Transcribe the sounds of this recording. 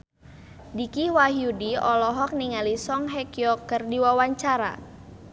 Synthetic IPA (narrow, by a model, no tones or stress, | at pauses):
dikiwaɦiudiɔlɔɦɔk̚niŋalisɔŋɦɛkiɔkərdiwawaɲt͡ʃaɾa̰